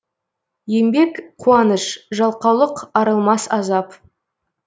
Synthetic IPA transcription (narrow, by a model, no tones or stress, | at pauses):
je̞mbe̞kqʰuɑnəʃʒɑlˠqɑwlˠəqɑɾəlˠmɑsɑzɑp